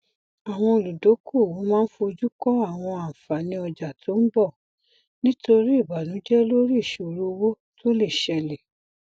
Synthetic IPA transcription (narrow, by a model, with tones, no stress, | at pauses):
a˨w̃ɔ̃˧o˨lu˨do˨˦ko˦˨wo˨˦mãː˦n̩˦fo˧o˧d͡ʒu˦kɔ˦a˦˨w̃ɔ̃˧ã˨fa˨nĩ˧ɔ˧d͡ʒa˨tʰo˨˦n̩˦bɔ˦˨ | nĩ˦to˧ɾi˦i˦˨ba˨nũ˨˦d͡ʒɛ˦lo˦ɾi˦˨ʃo˨ɾu˦˧wo˦ | tʰo˦le˦˨ʃɛ˧le˨